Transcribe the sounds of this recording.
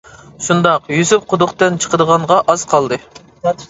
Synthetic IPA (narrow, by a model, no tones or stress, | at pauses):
ʃund̪ɑqjyzyp̚qʰʊd̪ʊqt̪ɨnt͡ʃʰə̥qʰəd̪əʁɑɴʁɑʔɑz̥qʰɑlˠd̪ɨ